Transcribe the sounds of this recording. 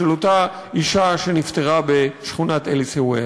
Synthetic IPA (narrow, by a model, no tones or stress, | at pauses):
elota | iʃaʃe̞nift̪e̞ʁabe̞ʃχunat̪elisewe